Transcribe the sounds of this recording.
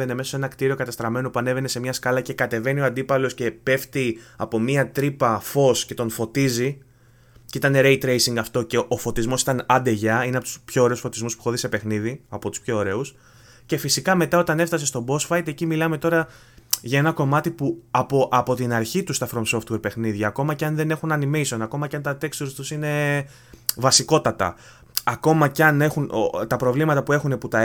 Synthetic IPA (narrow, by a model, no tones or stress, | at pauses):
enemesose̞nɐkt̪iɾio̞kɐt̪ɐst̪ɾɐme̞no̞puɐne̞ve̞ne̞se̞mɲɐskɐlɐce̞kɐt̪e̞ve̞nio̞ɐnd̪ipɐlo̞sce̞pe̞ft̪iɐpo̞miɐt̪ɾipɐfo̞sce̞t̪o̞nfo̞t̪izi | ceit̪ɐne̞ɾe̞jt̪ɾe̞jsiŋɡɐft̪o̞ce̞ʔofo̞t̪izmo̞sit̪ɐnɐd̪e̞ʝɐineɐpot̪u̥spço̞ːɾe̞usfo̞t̪izmuspuxo̞ðise̞pe̞xniðiɐpot̪u̥spço̞ːɾe̞us | ce̞fisikɐme̞t̪ɐo̞t̪ɐne̞ft̪ɐs̬est̪o̞bo̞sfɐjt̪e̞cimilɐme̞t̪o̞ɾɐ | ʝɐe̞nɐko̞mɐt̪ipuɐpoʔɐpo̞t̪inɐɾçit̪ust̪ɐfɾomso̞ft̪we̞ɾpe̞xniðʝɐːko̞mɐceɐnðe̞ne̞xunɐnimeiso̞nɐko̞mɐcɐnt̪ɐt̪e̞kst̪uɾst̪usine̞ | vɐsiko̞t̪ɐt̪ɐ̰ | ɐko̞mɐceɐne̞xunot̪ɐpɾo̞vlimɐt̪ɐpue̞xuneput̪ɐ